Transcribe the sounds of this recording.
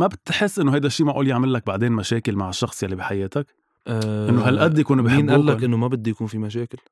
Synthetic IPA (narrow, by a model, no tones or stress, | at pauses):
mæbt̪ħesːʔɪnːʊɦæjd̪æʃːiːmaʔuːlijaʕmɪlːæk̚baʕd̪eːnmæʃæːkɪlmaʕɪʃːɑxsˤjaʕlibiħajeːt̪æk | ʔɪnːoɦælʔæd̪ːjakuːnbiħːnʔæːlːækʔɪnːʊmæbɪd̪ːjakuːnfimæʃæːkɪl